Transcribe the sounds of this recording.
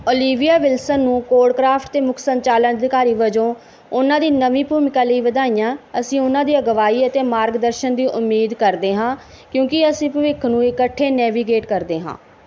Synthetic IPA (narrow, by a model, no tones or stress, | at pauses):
ɔːliːʋijaːʋɪlsənːũːkoːɾɖkɾaːpʰʈt̪eːmʊkʰsəɲt͡ʃaːlənd̪ɪkaːɾiːʋəd͡ʒõː | ʊnãːd̪iːnəʋĩːpuːmɪkãːləiːʋəd̪aːijãːəsĩːʊnãːd̪iːəɡəʋaːiːət̪eːmaːɾɡd̪əɾʃənd̪iːʔʊmːiːd̪kəɾd̪eːɦãː | kjõːkɪəsĩːpəʋɪkʰnũːɪkəʈʰːeːnɛːʋiːɡeːʈkəɾd̪eːɦã̰ː